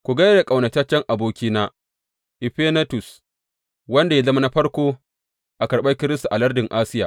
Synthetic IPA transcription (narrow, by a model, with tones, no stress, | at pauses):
kʷu˨ɡɐ˦jda˨kʼa˨wnɐ˨t͡ʃɐ˦t͡ʃːɛ˦ŋʔa˨boː˦kʲiː˦naː˦ | ʔɪ˨ɸe˦na˦tʊ˨s | wɐ˦nda˨ja˦zɐ˦ma˦na˦ɸɐ˦ɽkʷoː˦ | ʔa˨kɐ˨ɽɓɐ˦kʲɪ˦ɾɪ˦sta˨ʔa˨lɐ˦rdɪ˨ŋʔa˦sɪ˦jaː˨